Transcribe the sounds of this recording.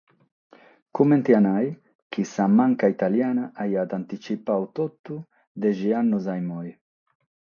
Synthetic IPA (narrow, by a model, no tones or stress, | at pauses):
kumɛnt̪ianaj | k̟ʰisamaŋkait̪aljaːnaʔajat̪ant̪it͡ʃipawt̪ɔt̪ːu | d̪ɛʒianːuzajmɔj